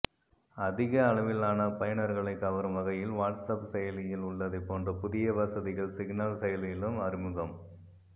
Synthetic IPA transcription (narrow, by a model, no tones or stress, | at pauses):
ɐðɪɣɐːɭɐʋɪlaːnɐpɐjɐɳɐɾɣɐɭɐɪkːɐʋɐɾɯmʋɐɣɐjɪlʋaːʈsɐpsɛjɐlɪjɪlʊɭːɐðɐɪpːoːndrɐpʊðɪjɐʋɐsɐðɪɣɐɭsɪɡnaːlsɛjɐlɪjɪlɯmɐɾɪmɯɣɐm